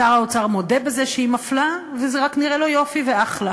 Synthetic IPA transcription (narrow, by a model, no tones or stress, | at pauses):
aʁaot͡saʁmo̞de̞bezeʃeimaflavezeʁakniʁelo̞jo̞fiveaχla